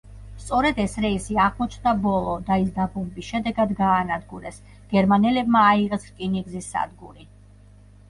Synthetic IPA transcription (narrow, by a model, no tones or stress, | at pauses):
st̪sʼɔɾɛd̪ɛsɾɛisiaʁmɔt͡ʃʰnd̪abɔlˠɔd̪aisd̪abɔmbisʃɛd̪ɛɡad̪ɡaːnad̪ɡuɾɛs | ɡ̥ɛɾmanɛlɛbmaːiʁɛsɾkʼiniɡzisːa̰d̪ɡuɾi